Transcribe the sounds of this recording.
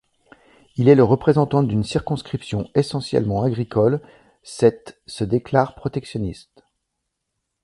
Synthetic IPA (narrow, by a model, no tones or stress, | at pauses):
ilɛləʁəpχezɑ̃t̪ɑ̃d̪ynsiʁkɔ̃skχipsjɔ̃esɑ̃sjɛ̰lmɑ̃aɡʁikɔl | sɛt̪səd̪eklaʁpχɔt̪ɛksjɔnist̪